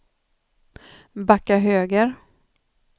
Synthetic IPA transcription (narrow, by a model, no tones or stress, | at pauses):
bakːaɦøːɡəɾ